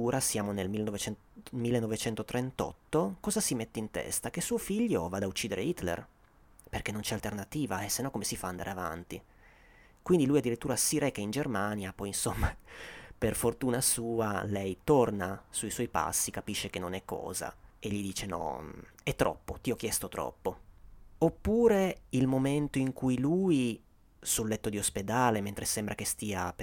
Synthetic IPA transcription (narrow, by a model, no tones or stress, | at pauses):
uːɾasjaːmonelmilːenovet͡ʃɛn | milːenːovet͡ʃɛnt̪ot̪ɾent̪ɔ̰t̪ːokɔːzasimet̪ːeint̪ɛ̰st̪ak̟esuːofiʎːovaːd̪aut͡ʃːiːd̪eɾeit̪lḛr | perk̟enːont͡ʃɛalt̪ernat̪iːvaesenːɔkːomesifaːnd̪a̰ɾeava̰nt̪i | kwind̪ilujad̪ːiɾit̪ːuːɾasiɾɛkːeind͡ʒermanjapɔjinsomːaperfort̪uːnasuːalɛjt̪ornasuiswɔjpa̰sːikapiʃːek̟enːonɛkːɔ̰ːza̰eʎːid̪iːt͡ʃenɔ̰ɛt̪ːɾʔɔ̰pːot̪iɔk̟ːjɛst̪ot̪ɾɔ̰pːoopːuːɾeilmoment̪oiŋkujluji | sulːɛt̪ːod̪iosped̪aːlement̪ɾesɛmbɾʔak̟est̪iːap